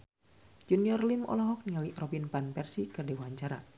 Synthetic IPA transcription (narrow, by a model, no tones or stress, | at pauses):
d͡ʒuniɔrlimɔ̰lɔɦɔk̚niŋəlirɔbinpanpɛrsikɨrdɛwuɦaɲt͡ʃaɾa̰